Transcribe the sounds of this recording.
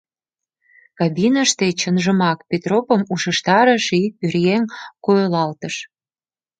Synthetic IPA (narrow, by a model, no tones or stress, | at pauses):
kɑbinəʃt̪et͡ɕənʒəmɑkpʲet̪ropə̆muʃəʃt̪ɑɾəʃipyrjeŋkojolɑlt̪əʃ